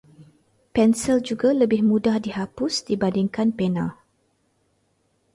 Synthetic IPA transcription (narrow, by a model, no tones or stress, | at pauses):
pɛnsɛld͡ʒuɡaləbɪhmũdahdiɦapʊsdibandɪŋkanpenã